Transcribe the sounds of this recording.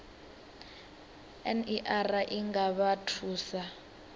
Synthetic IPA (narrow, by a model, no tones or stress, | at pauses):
ɛniʔaraʔiŋɡaβatʰuːsa